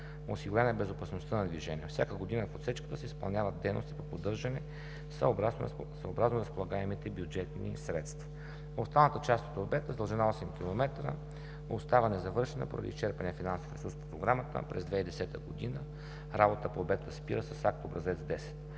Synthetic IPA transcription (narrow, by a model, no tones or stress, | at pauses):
nosiɡʊlʲanəɛbɛzopɐsnost̪anɐd̪viʒɛnʲiɛfsʲakəɡod̪inəfot̪sɛt͡ʃkə̥t̪əsɛispɐ̰lˠnʲavəd̪ɛjno̰st̪i̥popod̪ɤɾʒɐnɛ | s | səobɾaznoɾɐspolˠɐɡaɛmit̪ɛbjud͡ʒɛt̪nḭsɾɛ̰t̪st̪vɐ | ʊst̪alˠnət̪ət͡ʃast̪o̥t̪obɛt̪əzd̪əlˠʒɛnaɔsɛmkʲilˠomɛt̪ɾə̰ | ʊst̪avənɛzɐvɤɾʃɛnə̰po̰ɾɐ̰d̪ḭst͡ʃɛɾpɐnifinanso̥fɾɛsuɾspo̥pɾoɡɾamət̪ə̰pɾɛ̰zd̪vɛid̪ɛsɛt̪əɡod̪inə | ɾabot̪əpoːbɛt̪əspiɾəsəsak̚t̪obɾɐzɛt̪sd̪ɛsɛ̥t̪